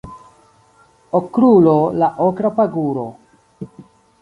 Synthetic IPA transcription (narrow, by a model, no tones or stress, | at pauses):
okɾulolaʔokɾapaɡuɾo̰